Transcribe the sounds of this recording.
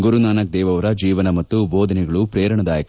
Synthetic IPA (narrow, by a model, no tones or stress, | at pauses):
ɡuɾunaːnɐk̚d̪ɛːʋɐʋɐɾɐd͡ʒiːʋɐnɐmɐt̪ːubɔːd̪ʱɐnɛɡɐɭupɾɛːɾɐɳɐd̪aːjɐk